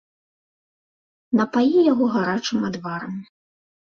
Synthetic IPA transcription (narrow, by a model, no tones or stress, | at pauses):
nɐpajijaɣɔɣaɾat͡ʂɨmad̪vaɾɐmʲi